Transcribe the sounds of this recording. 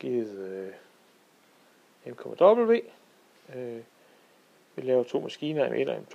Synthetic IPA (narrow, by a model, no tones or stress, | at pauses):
ɡ̥iðˠø | emkʰɒ̽mæd̥ɒ̽b̥l̩ʋe̝̰ː | ø | ʋilɛːʊɐt͡sʰo̝̰ːmæsɡ̥iːnɐḛmʔe̝d̥ɒ̽emt͡sʰ